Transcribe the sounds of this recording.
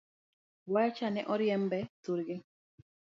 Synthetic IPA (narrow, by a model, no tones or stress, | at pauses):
wajat͡ʃanɛʔɔɾjɛmbɛtuɾɡin